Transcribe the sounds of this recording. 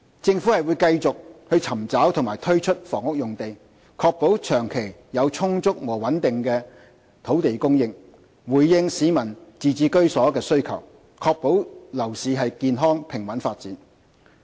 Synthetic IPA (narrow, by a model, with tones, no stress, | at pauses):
t͡sɪ˧ŋfu˨˥hɐ˨jwuː˨˧jkɐ˧jt͡sʊ˨k̚hɵ˧ɥt͡sʰɐ˨˩mt͡saː˨˥wt̪ʰʊ˨˩ŋmaː˨˩jt̪ʰɵ˥ɥt͡ʃʰɵ˥t̚fɔ̰ː˨˩ŋʊ˥k̚jʊ˨˩ŋt̪e˨j | kʰɔː˧k̚po˨˥wt͡ʃʰœː˨˩ŋkʰe˨˩jjɐ˨˧wt͡sʰʊ˥ŋt͡sʊ˥k̚wɔː˨˩wɐ˨˥nt̪ɪ˨ŋkɛː˧ | t̪ʰo˨˥wt̪e˨jkʊ˥ŋjɪ˧ŋ | wuː˨˩jːɪ˧ŋsiː˨˥mɐ˨˩nt͡siː˨˧t͡siː˨˧kɵ˥ɥsɔː˨˥kɛː˧sɵ˥ɥkʰɐ̰˨˩w | kʰɔː˧k̚po˨˥wlɐ˨˩wsiː˨˧ɦɐ˨jkiː˨˧nɦɔː˥ŋpʰɪ˨˩ŋwɐ˨˥nfaː˧t̚t͡siː˨˥n